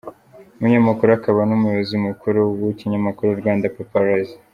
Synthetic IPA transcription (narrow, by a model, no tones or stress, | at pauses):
muɲamakuɾoakaβanumujoβozimukuɾowuciɲamakuɾoɾɡwaːndapapaɾaz